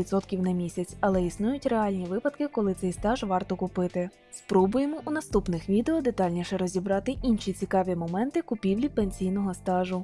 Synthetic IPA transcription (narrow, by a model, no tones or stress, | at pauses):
id̪t̪sɔt̪kʲiwnɐmʲisʲɐt͡sʲɐlˠɛisnujʊtʲreɑlʲnʲiʋɪpɐd̪kɪkɔlˠɪt̪sɛjst̪ɑʒʋɑrt̪ɔkʊpɪt̪ɪ | spɾɔbʊjemɔʔunɐst̪upnɪxʋʲid̪eɔd̪et̪ɑlʲnʲiʃɛɾɔzʲibɾɑt̪ɪʔinʃit͡sʲikɑʋʲimɔmɛnt̪ɪkʊpʲiwlʲipenʲsʲijnɔɦɔst̪ɑʒʊ